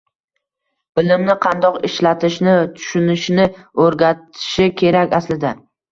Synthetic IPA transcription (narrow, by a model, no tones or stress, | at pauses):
b̥ɪlɪmnɪqʰɑnd̪ɒqɪʃlat̪ʰɪʃnɪt̪ʰʊ̥ʃʊnɪʃnɪɵɾɡʲat̪ʰɪ̥ʃɪkʲʰe̞ɾakʲaslɪd̪a